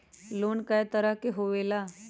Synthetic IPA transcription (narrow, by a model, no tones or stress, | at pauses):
loːnkajt̪əɾakeɦoʋela